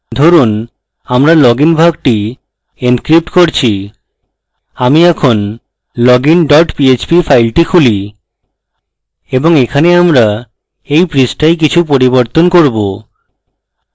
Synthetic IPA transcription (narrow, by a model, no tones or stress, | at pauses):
d̪ʱoɾun | amɾalɔɡinbʱak̚ʈi | enkɾip̚ʈkoɾt͡ɕʰi | amiɛkʰon | lɔɡinɖɔʈpiet͡ɕpifʰajlʈikʰuli | eboŋekʰaneamɾa | ejpɾisʈajk̬it͡ɕʰupoɾiboɾt̪onkoɾbo